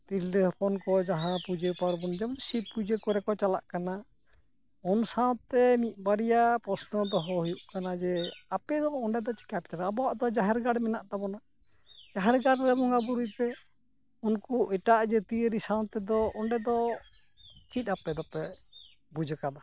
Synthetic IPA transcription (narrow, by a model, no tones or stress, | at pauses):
t̪iləpʰɔnkɔd͡ʒaɦãpud͡ʒepaɾbɔnd͡ʒɔmsipud͡ʒekɔɾɛkɔt͡ʃala̰ʔkana | ɔnsãw̃t̪ɛmit̪̚ˀbaɾijapɾɔsnɔd̪ɔɦɔhujuʔkanad͡ʒɛapɛd̪ɔːɳɖɛd̪ɔt͡ʃi̥kapt͡ʃanaːbɔwaʔd̪ɔd͡ʒaɦɛɾɡaɽmɛnaʔt̪abɔna | d͡ʒaɦɛɾɡaɽɾɛbɔŋɡabuɾujpɛ | unkuɛʈaʔd͡ʒɛt̪iəɾisãw̃t̪ɛd̪ɔɔɳɖɛd̪ɔ | t͡ʃit̪̚ˀapɛd̪ɔpɛ | bud͡ʒɛkana